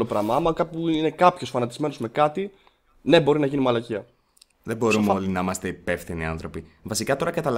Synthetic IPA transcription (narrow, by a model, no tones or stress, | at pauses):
lo̞pɾɐmɐɐmɐkɐt̪iuine̞kɐpço̞sfɐnɐt̪izme̞no̞zme̞kɐt̪i | ne̞bo̞ɾinɐʝinimɐlɐciɐ | ðebo̞ɾumolinɐimɐst̪e̞ipe̞fθiniɐ̰nθɾo̞pi | vɐsikɐt̪o̞ɾɐkɐt̪ɐl